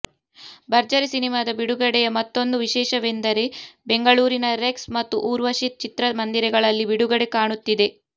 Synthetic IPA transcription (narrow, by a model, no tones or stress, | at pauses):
bɐɾd͡ʒɐɾisinimaːd̪ɐbiɽuɡɐɽɛjɐmɐt̪ːo̞nd̪uʋiʃɛːʃɐʋend̪ɐɾe̞be̞ŋɡɐɭuːɾinɐɾeksmɐt̪ːuʔuːɾʋɐʃit̪̚t͡ʃit̪ɾɐmɐnd̪iɾɛɡɐɭɐlːibiɽuɡɐɽekaːɳut̪ːid̪e̞